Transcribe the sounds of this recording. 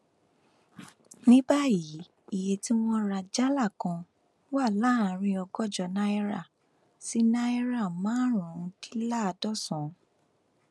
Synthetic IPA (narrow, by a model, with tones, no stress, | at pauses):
nĩ˦ba˦ji˨˦ | i˨je˨ti˦w̃ɔ̃˦ɾa˧d͡ʒa˦la˦˨kã˨˧˦ | wa˦˨la˦a˨ɾ̃ĩ˧ɔ˧ɡɔ˦˨d͡ʒɔ˧˨na˦e˦ɾa˦˨ | si˨˦nã˦i˦ɾa˦˨mãː˨˦ɾ̃ɔ̃˨˧ki̥˦la˦˨a˧dɔ˦˨sɔ̃˨˦